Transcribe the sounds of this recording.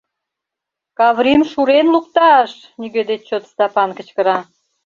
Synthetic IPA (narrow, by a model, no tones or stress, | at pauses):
kɑβɾimʃuɾenlukt̪ɑʃ | niɡød̪et̪̚t͡ɕot̪st̪ɑpɑnkə̆t͡ɕkə̆ɾɑ